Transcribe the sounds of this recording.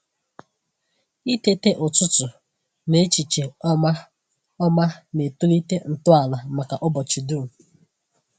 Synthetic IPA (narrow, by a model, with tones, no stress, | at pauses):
i˦te˦te˦ʔʊ˨t͡ʃʊ˦tʊ˨ | ne˦t͡ʃi˨t͡ʃe˨˦ | ɔ˦ma˦ne˨tu˦li˦te˦n̩˨tʊ˦a˨la˨ma˨ka˨ʔɔ˦bɔ˨t͡ʃi˨du˦˨